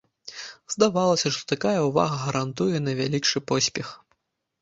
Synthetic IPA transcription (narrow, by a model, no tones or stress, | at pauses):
zd̪avalˠɐsʲɐʂt̪ɔ̥t̪akajɐuva̰ɣɐɣɐɾant̪ujɛnɐvʲalʲikt͡ʂɨpɔsʲpʲɛx